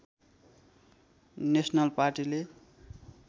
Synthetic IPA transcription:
nesnalpaɾʈile

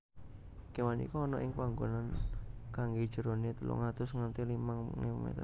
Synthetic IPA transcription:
kewanḭkɔːnɔʔɪŋpaŋɡonankaŋɡed̥ʒ̥ə̤ɾonet̪əlṵŋat̪ʊsŋənt̪ilimaŋŋḛmḛt̪

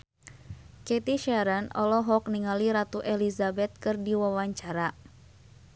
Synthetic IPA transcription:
kɛt̪iʃaɾanɔ̰lɔɦɔk̚niŋaliɾat̪uʔelizabɛt̪̚kɨrdiwawaɲt͡ʃaɾa

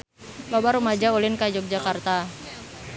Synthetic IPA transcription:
lobaɾumad͡ʒaulɪnkad͡ʒɔk̚d͡ʒakart̪a

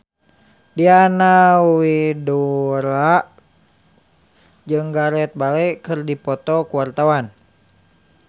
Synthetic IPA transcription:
dianawiduɾaʔ | d͡ʒɨŋɡaɾɛt̪̚balɛkɨrdipɔt̪ɔkuwart̪awan

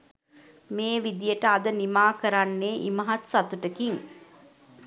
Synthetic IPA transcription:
meːʋid̪ijəʈəad̪ənimaːkəɾanːeːʔḭməɦat̪sat̪uʈəkiŋ

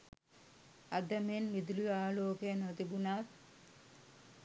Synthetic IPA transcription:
ad̪ɐmenmid̪uluaːloːkejnot̪ibunat̪

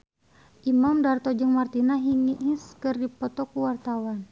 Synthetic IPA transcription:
ʔimamdart̪ɔd͡ʒɨŋmart̪inaɦiŋiiskɨrdipɔt̪ɔkuwart̪awan

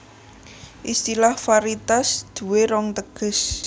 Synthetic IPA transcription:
ʔist̪ilahfaɾit̪asd̪̥ṳweɾɔŋt̪əɡ̥ə̤s

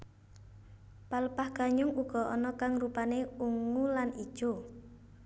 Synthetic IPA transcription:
paləpahɡ̥a̤ɲʊŋuɡ̥ɔ̤ʔɔnɔkaŋrupaneuŋulanid̥ʒ̥o

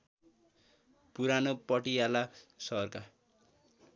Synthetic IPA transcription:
puɾanopʌʈijalasʌɦʌrka

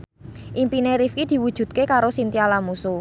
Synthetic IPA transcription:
ʔimpineɾifkid̪̥i̤wud̥ʒ̥ṳt̪̚kekaɾosint̪ialamusu

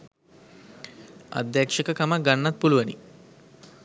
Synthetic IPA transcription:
ɐ̰d̪jakʂɐkɐkɐmɐɡɐnːɐt̪̚puluʋɐnḭ

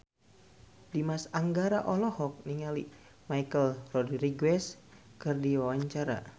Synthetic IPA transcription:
dimasaŋɡaɾaʔɔlɔhɔk̚niŋalḭ | majkəlrɔdriɡwɛskɨrdiwawaɲt͡ʃaɾa̰

